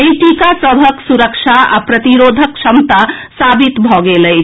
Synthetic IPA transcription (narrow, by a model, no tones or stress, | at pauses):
eĩʈikasəbʱəksuɾəkt͡ʃʰaa̰pɾət̪iɾod̪ʱəkʃʰəmt̪asabit̪bʱɔɡeləɪt͡ʃʰ